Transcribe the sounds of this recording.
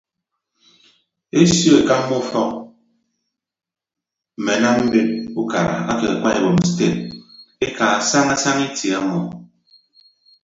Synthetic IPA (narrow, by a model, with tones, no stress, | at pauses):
e˦sjo˦e˨ka˦mːɔ˦fɔ˦k̚ | m̩˨me˨na˦m̩˦be˦t̚u˦ka̰˨ɾa̰˨a˦ke˨a˨kʷa˦e˨bo˨m̩˨ste˦˨t̚e˦ka˨a˨sa˦ŋa˦sa˦ŋe˦ti˨a˦mɔ˨